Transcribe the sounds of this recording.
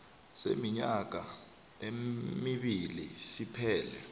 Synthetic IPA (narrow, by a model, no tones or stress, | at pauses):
semiɲak̬a | emiɓilisipʰɛːlɛ